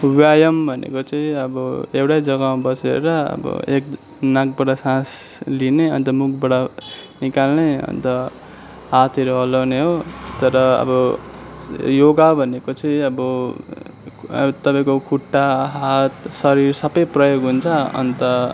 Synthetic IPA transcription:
wjajʌmbʱʌnḛkot͡sʌĩʌbʌewʈajd͡zʌɡãbʌsḛɾʌʌ̰bʌ̰ek | nãk̚bʌɽasãs | lineʌnt̪ʌmukʰbʌɽanikalnʌjʌ̰nt̪ʌ | ɦat̪ʰʌɾoɦʌlawneɦot̪ʌɾʌʌ̰bʌ | joɡabʱʌnekot͡sʌĩʌbʌ | t̪ʌpaĩkokʰuʈːaɦat̪sʌɾirsʌbʌjprʌjoɡɦunt͡sʰʌʌ̰nt̪ʌ

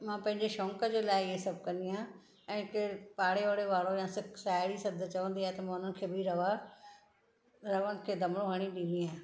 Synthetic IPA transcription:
mãːpɐ̃ɦɪ̃ɲd͡ʑeʃɔ̃ːŋkəd͡ʑeːlaːɪɪesɐb̚ʱkɐ̃nd̪iɦãː | ɛ̃ːkɪpaːɽeʋaɽeʋaːɭojãːsɪksaːɪɽisɐd̪ʱt͡ɕɐʋə̃nd̪iaːet̪ɐmãːʊn̤ənɪ̆kʰeːbʱɪɾɐʋa | ɾɐʋənɪ̆kʰeːd̪ʱɐmɽ̃õɦɐɽ̃iɗĩnd̪iɦãː

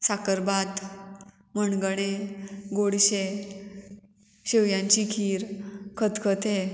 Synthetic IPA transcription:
sakəɾbat̪ | məɳɡəɽ̃eɡoɽɕe | ɕeʋjãɲt͡ɕikʰiːɾkʰət̪kʰət̪ʰe

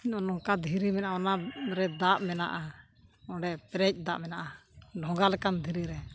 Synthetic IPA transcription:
ɔnɔŋkad̪ʱiɾimɛnaʔaɔnaɾɛd̪aʔmɛna̰ʔa | ɔɖɛpɛɾɛc̚ˀd̪aʔmɛnaʔaɖʱɔ̃ŋɡalɛkand̪ʱiɾiɾɛ

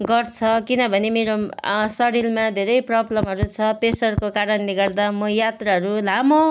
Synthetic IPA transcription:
ɡʌrt͡sʰʌkinʌbʱʌnemeɾosʌɽilmad̪ʱeɾʌjprʌblʌmɦʌɾut͡sʰʌpesʌrkokaɾʌnleɡʌrd̪amʌjat̪raɦʌɾulamo

